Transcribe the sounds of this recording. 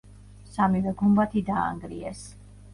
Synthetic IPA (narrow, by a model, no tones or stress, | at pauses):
samivɛɡumbat̪ʰid̪aa̰ŋɡɾḭɛs